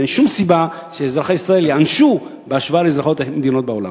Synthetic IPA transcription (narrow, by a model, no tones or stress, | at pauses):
enʃumsiba | ʃeːzʁaχaisʁae̞ljeanʃu | beaʃvaaleezʁaχo̞t̪med̪ino̞t̪̚beo̞la̰